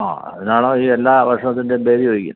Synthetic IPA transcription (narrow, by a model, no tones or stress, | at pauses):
a̰ːɐ̰ðɐnaːɭoːiːelːaːʋɐrʂɐt̪ːinde̞be̞ːɾijoːɡikʲːṵnː